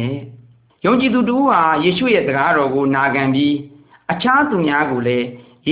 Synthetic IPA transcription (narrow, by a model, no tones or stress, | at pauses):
ɛ | jõʊ̃ɲt͡ɕid̪ut̬əʔuhajeʃṵjɛ̰zəɡaɾɔɡonaɡãmbji | ʔət͡ɕʰat̪umjaɡolɛ | je